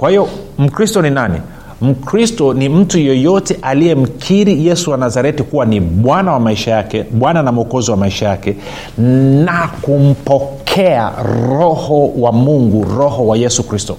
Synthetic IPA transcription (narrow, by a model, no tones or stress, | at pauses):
kwahijɔm̩kɾistɔninanḭ | m̩kɾistɔnim̩tujɔjɔtɛʔalijɛm̩kʰiɾijɛsuwanazaɾɛtikuwaniɓwanawamaiʃajakɛɓwananam̩ɔkɔziwamaiʃajakɛ | nakum̩pɔkʰɛa̰ɾɔhɔwamuŋɡuɾɔhɔwajɛsukɾistɔ̰